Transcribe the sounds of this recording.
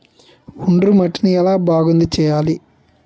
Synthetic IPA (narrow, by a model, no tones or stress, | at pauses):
uɳɖrumɐʈːinuɛlaːbʱaːɡund̪ut͡ʃɛjaːli